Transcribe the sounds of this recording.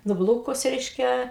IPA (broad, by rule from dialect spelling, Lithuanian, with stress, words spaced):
nʊˈblˠuːkʊs ˈrʲɛɪʃʲkʲɛ